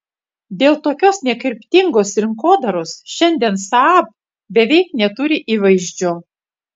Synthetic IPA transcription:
d̪ʲeːlˠt̪oːkʲoːsnʲɛkʲɪɾʲpʲt̪ʲɪŋɡoːsɾʲɪŋkoːd̪ɐɾoːsʃʲɛnʲd̪ʲɛnsɑɑːp̚ | bʲɛʋʲɛɪknʲɛt̪ʊɾʲɪʔiːʋɐɪʒʲd͡ʒʲʊ

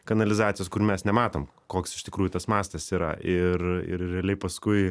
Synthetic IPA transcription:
kɐnɐlʲɪzɑːt͡s̪ʲɪjoːskʊɾmʲɛsnʲɛmɑːt̪oːm | koːksɪʃt̪ʲɪkɾuːjʊt̪ɐsmɑːst̪ɐsiːɾɐ̰ʔɪrɪ̰ɾrʲɛːlʲɛɪpɐskʊɪ

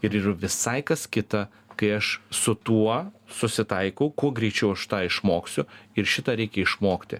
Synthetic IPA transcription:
ɪɾɪɾʋʲɪsɐɪkɐskʲɪt̪ɐ | kɐɪɐʃsʊt̪uɔsʊsʲɪt̪ɐɪkɐʊkuɔɡɾʲiːt͡ʃʲɛʊɐʃt̪ɑːɪʃmoːksʲʊɪɾʃʲɪt̪ɐːɾʲɛɪkʲɛɪʃmoːkt̪ʲɪ̰

